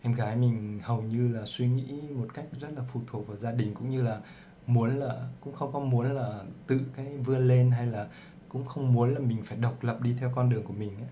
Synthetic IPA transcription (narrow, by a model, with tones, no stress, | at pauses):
ʔɛ˧mɣaː˨˦jmï˨˩ŋ̟hə˨˩wɲɨ˧laː˨˩swi˧ŋḭ˧˥mo˨˩t̚ka˦˥jk̟̚zə˦˥t̚laː˨˩fu˨˩t̪ʰu˨˩ək̚vaː˨˩wzaː˧ɗï˨˩ŋ̟kʊ̰˧˥ŋ͡mɲɨ˧laː˨˩ | mu˨˦ənlaː˨˩kʊ̰˧˥ŋ͡mxə˧wŋ͡mkɔ˨˦mu˨˦ənlaː˨˩t̪ɨ̰˧˨kaː˨˦jvɨ˧əle˧nɦa˧jlaː˨˩ | kʊ̰˧˥ŋ͡mxə˧wŋ͡mmu˨˦ənlaː˨˩mï˨˩ŋ̟faː˧˩jɗə˨˩wk͡p̚lə˨˩p̚ɗi˧t̪ʰɛ˧wkɔ˧nɗɨ˨˩əŋku˧˩əmï˨˩ŋ̟ʔaː˨˦